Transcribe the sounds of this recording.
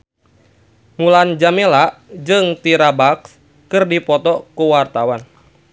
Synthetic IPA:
muland͡ʒamelaʔd͡ʒɨŋt̪iɾabaks | kɨrdipɔt̪ɔkuwart̪awan

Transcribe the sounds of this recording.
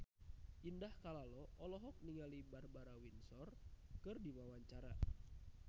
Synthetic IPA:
ʔindahkalalɔʔɔlɔɦɔk̚niŋalibarbaɾawinsɔrkɨrdimawaɲt͡ʃaɾa̰

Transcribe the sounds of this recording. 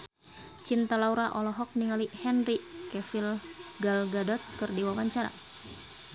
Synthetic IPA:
t͡ʃint̪alauɾaʔɔlɔɦɔk̚niŋalihɛnrikɛfilɡalɡadɔt̪̚kɨrdiwawaɲt͡ʃaɾa̰

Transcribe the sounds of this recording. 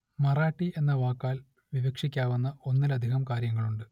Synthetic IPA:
mɐraːʈːie̞nːɐʋaːkːaːl | ʋiʋɐkʂikʲːaːʋunːɐo̞nːɐlɐd̪ʱiɦɐmkaːɾjɐŋːɐɭuɳɖɨ

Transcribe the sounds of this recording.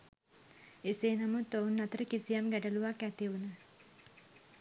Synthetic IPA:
eseːnamut̪ːownːat̪əɾəkisijamɡæʈəluʋakːæt̪iʋunə

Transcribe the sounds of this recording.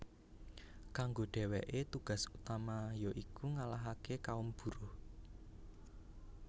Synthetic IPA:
kaŋɡoɖ̥ɛ̤wɛʔet̪uɡ̥ä̤sut̪amajoʔikuŋalaɦakekaumb̥ṳɾo

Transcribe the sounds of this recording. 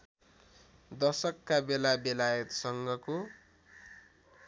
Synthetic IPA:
d̪ʌsʌkːabelabelajʌt̪sʌŋɡʌko

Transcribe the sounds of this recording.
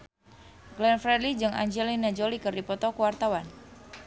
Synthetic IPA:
ɡlɛnfɾɛdlid͡ʒɨŋʔa̰ɲd͡ʒɛlinad͡ʒolikɨrdipɔt̪ɔkuwart̪awan

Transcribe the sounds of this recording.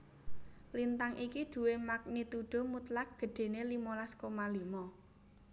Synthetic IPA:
lint̪aŋʔikiɖ̪̥ṳwemak̚nit̪uɖ̥o̤mut̪lak̚ɡ̥ə̤ɖ̥e̤nelimɔlaskomalimɔ

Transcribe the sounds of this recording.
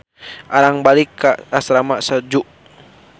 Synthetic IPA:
ʔaɾaŋbalikːaːsɾamaʔsad͡ʒuʔ

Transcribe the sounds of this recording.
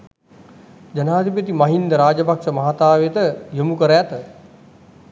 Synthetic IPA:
d͡ʒɐnaːd̪ʱipət̪imɐɦind̪əɾaːd͡ʒəpakʂəmɐɦat̪aːʋet̪əjomukəɾəjat̪ə

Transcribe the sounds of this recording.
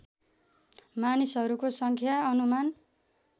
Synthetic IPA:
manisɦʌɾukosʌŋkʰjaʌnuman

